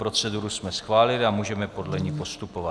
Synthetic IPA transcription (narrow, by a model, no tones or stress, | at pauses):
pɾo̞t͡sɛduɾusmɛsxvaːlɪlɪamuːʒɛmɛpo̞dlɛɲipo̞st̪upo̞va